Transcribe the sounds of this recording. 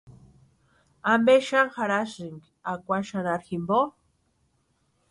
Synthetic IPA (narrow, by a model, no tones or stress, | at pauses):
ambeʃaŋxaɾasiŋɡ | akʷaʃanaɾximbo